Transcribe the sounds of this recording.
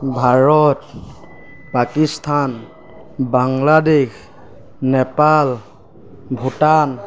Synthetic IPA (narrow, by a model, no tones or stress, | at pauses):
bʱaɹɔt | pakistʰan | baŋladex | nɛpal | bʱutan